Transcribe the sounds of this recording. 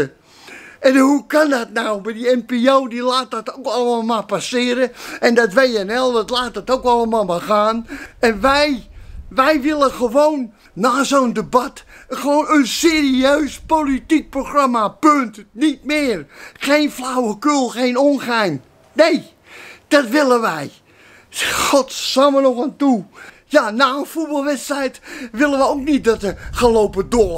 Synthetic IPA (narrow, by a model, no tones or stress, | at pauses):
ə | ɛnhukandɔtnawbadiɛmpeowdilaːt̚dɔtowkɔləəmalˠmapasɪəɾəɛndɔtʋejɛnɛlˠdɔtlaːt̚dɔtowkɔlˠəmalˠmaxaːnɛnʋɛjʋɛjʋɪlˠəxəʋownː | aːsondəbatxəʋoːnənseːriøːspolitik̚proxramapøntnit̚mɪːrxeːnflawəkølˠxejnonxɛjn | nej | d̥ɔtʋɪlˠənʋɛj | xɔtsaːmənɔxantujanaːənfut̚bɑlˠʋɛtstrɛjtʋɪlˠənʋəowk̚nit̚dɔt̚əχəlowpədoː